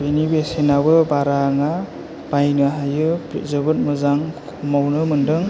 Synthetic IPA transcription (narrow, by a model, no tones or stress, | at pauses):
benibesenabɯbaɾaŋa | b̥ajnɯɦajɯpḭzɯbɯt̚mɯzaŋkkʰumawnɯmɯndɯŋ